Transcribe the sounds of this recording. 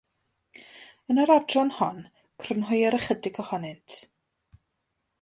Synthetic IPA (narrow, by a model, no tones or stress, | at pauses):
ənəɾɔdrɔnhɔn | kʰrənɦʊjəɾəχədɪɡɔhɔnɪntʰ